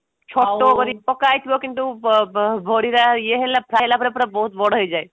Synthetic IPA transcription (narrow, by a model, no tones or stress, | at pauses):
t͡ʃʰoʈːokɔɾipɔkajt̪ʰbokint̪u | bʱoɽiɾajeɦelapɾalapɾepɾɔbɔɦut̪̚bɔɽoɦɔjd͡ʒaːe